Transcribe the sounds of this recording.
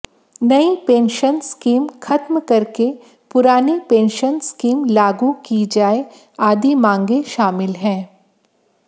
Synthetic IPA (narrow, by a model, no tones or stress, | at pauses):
nɐipẽːnʃənskiːmxʰɐt̪mkɐɾke | pʊɾaːnipẽːnʃənskiːmlaːɡukid͡ʒaːe | aːd̪imãːŋɡeʃaːmɪlɦɛ̃ː